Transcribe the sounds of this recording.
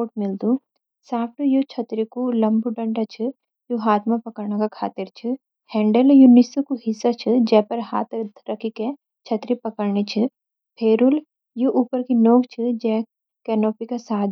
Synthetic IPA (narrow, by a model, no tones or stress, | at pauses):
oːʈmɪld̪u | saːpʰʈujot͡ʃʰɐt̪ɾikulɐ̃mbʱuɖɐ̃ɳɖat͡ʃʰɨ | juɦaːt̪ʰmãpɐkəɾɳakakʰaːt̪ɪɾt͡ʃʰɨ | hɛ̃ːɳɖəljunɪsukuɦɪsːat͡ʃʰɨd͡ʒɛːpɐɾɦa̰ːt̪ʰd̪ɾɐkʰike | t͡ʃʰɐt̪ɾipɐkəɾɳit͡ʃʰɨ | pʰeːɾul | juʔuːpəɾkinoːɡt͡ʃʰɨd͡ʒɛː | kɛːnoːpikasaːd̪